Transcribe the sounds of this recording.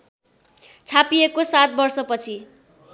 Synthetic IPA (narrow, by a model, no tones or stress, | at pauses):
t͡sʰapiekosat̪̚bʌrsʌpʌt͡sʰi